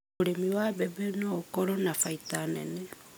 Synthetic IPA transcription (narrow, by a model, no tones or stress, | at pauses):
uɾemiwabebenokoɾonafaitanḛne